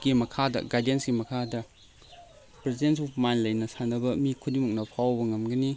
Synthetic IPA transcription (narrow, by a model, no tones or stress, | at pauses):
ɡimɐkʰadɐ̰ɡajdensɡimɐkʰadɐ | pɾezdens̬ɔpmanlɐjnɐsanɐbɐmikʰudimuk̚nɐpʰawbɐŋɐmɡɐni